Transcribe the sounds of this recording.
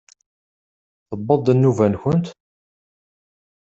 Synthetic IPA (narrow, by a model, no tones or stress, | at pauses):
θəbːəðˤənːuvænçʊnt̪